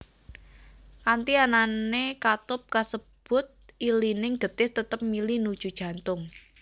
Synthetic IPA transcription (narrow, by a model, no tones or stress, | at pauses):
kant̪iananekat̪ʊp̚kasəb̥ʊt̪̚ʔilinɪŋɡ̥ə̤t̪ɪht̪ət̪əp̚milinud̥ʒ̥ṳd̥ʒ̥ä̤nt̪ʊŋ